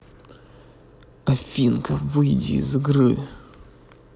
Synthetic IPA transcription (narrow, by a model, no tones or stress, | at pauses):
ɐfʲinkəvɨjdʲḭzɨɡɾɨ̰